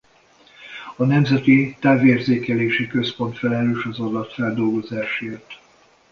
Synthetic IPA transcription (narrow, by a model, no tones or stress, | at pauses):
ɒnɛmzɛt̪it̪aːveːrzeːkɛleːʃikø̞spo̞nt̪fɛlɛløːʃɒzɒd̪ɒt̪fɛld̪o̞lɡo̞zaːʃeːrt̪